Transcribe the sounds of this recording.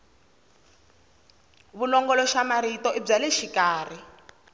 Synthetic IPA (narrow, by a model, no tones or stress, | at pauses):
βulɔŋɡɔlɔʃamaɾitɔʔib͡ʐalɛʃikaːr̤i